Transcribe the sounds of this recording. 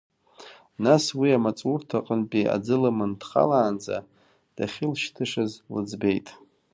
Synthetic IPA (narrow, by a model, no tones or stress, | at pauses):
naswiamat͡sʼurtʰaqʼənpʼia̰d͡zɨlamɨndχa̰laːnd͡za̰ | d̥aχʲɪlʃtʰɨʂazlɨ̰d͡zbe̞jtʼ